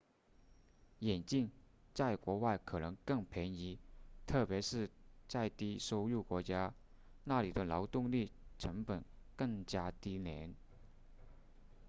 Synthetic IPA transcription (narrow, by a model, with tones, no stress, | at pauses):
jɛ˨˩nt͡ɕi˥˧ŋ | t͡sa˥˩ɪkwɔ˧˥wa˥˩ɪkʰɤ˨˩nɤ˧˥ŋkɤ˥˩ŋpʰjɛ˧˥ni˧˥t̪ʰɤ˥˩pjɛ˧˥ʂɻ̩˥˧t͡sa˥˧ɪt̪i˥ʂo˥ʊu˥˩kwɔ˧˥t͡ɕja˥ | na˥˩li˨˩d̪ə˦lɑ˧˥ʊt̪ʊ˥˧ŋli˥˩ʈ͡ʂʰɤ˧˥ŋpə˨˩n | kɤ˥˩ŋt͡ɕja˥t̪i˥njɛ˧˥n